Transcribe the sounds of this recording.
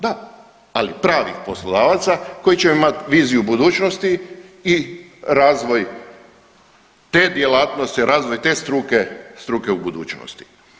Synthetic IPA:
d̪a | alipɾaːʋixpo̞slˠo̞d̪aːʋat̪sako̞jit͡ʃemimat̪ʋiːzijubud̪uːt͡ʃnost̪iiɾaːzʋo̞j | t̪ed̪jelaːt̪nost̪iɾʔaːzʋojt̪e̞ːst̪ɾukest̪ɾuːkeubud̪ṵːt͡ʃno̰st̪i̥

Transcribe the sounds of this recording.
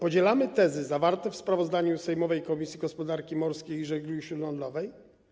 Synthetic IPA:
pɔd͡ʑɛlamɘt̪ɛzɘzavaɾt̪ɛfspɾavɔzd̪aɲusɛjmɔvɛjkɔmʲisʲjiɡɔspɔd̪aɾkʲimɔɾskʲejʐɛɡɾuiɕɾud̪lɔnd̪lɔvɛj

